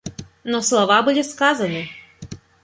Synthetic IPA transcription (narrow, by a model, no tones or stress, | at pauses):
nɔslˠɔʋabulʲɛskazɐnɨ